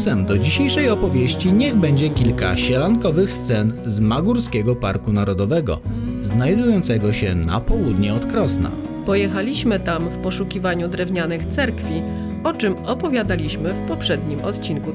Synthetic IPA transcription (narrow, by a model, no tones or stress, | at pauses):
sɛmd̪ɔd͡ʑiɕejʂɛjɔpɔvʲjeɕt͡ɕiɲɛɣbɛɲd͡ʑɛkʲilka̰ɕɛlankɔvɘxst̪sɛnzmaɡuɾskʲɛɡɔpaɾkunaɾɔd̪ɔvɛɡɔ̰znajd̪ujɔnt̪sɛɡɔɕɛna̰pɔwud̪ɲɛɔt̪kɾɔsna̰ | pɔjɛxalʲiɕmɘt̪amfpɔʂukʲivaɲud̪ɾɛvɲanɘxt̪sɛɾkfʲi | ɔt͡ʂɘmɔpɔvʲjad̪alʲiɕmɘfpɔpʂɛd̪ɲimɔ̰t̪t͡ɕinku